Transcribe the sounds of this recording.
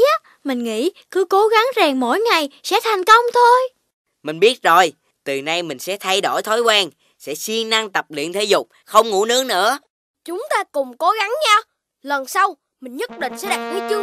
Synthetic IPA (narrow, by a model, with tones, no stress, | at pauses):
aː˨˦˥ | mï˨˩ŋ̟ŋḭ˧˥ | kɨ˨˦ko˨˦ɣa˨˦ŋzaː˨˩ŋmo̰˧˥jŋa˨˩jsɛ̰˧˥t̪ʰa˨˩jŋ̟kə˧wŋ͡mt̪ʰo˧j | mï˨˩ŋ̟ɓi˦˥ət̚zo˨˩j | t̪ɨ˨˩na˧jmï˨˩ŋ̟sɛ̰˧˥t̪ʰa˧jɗo˧˩jt̪ʰo˨˦jkwaː˧ŋ | sɛ̰˧˥si˧əŋna˧ŋt̪ə˨˩p̚lḭ˧˨ənt̪ʰe˨˦zʊ˨˩k͡p̚xə˧wŋ͡mŋṵ˧˥nɨ˦˥əŋnɨ̰˧˥ə | t͡ɕʊ˨˦ŋ͡mt̪aː˧kʊ˨˩ŋ͡mko˨˦ɣa˨˦ŋɲaː˧ | lə˨˩nsa˧w | mï˨˩ŋ̟ɲə˦˥t̚ɗḭ̈˧˨ŋ̟sɛ̰˧˥ɗaː˨˩ki˨˦t͡ɕɨ˨˧˦